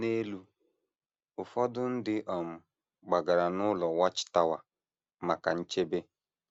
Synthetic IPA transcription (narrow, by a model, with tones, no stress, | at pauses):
ne˦lu˦ | ʊ˨fɔ˦dʊ˦n̩˦dɪ˦ʔɔ˨m̩˨ | ɡ͡ba˨ɡa˨ɾa˨nʊ˦lɔ˨wa˦t͡ʃɪ̥˨ta˦wa˨ | ma˨ka˨n̩˦t͡ʃe˦be˦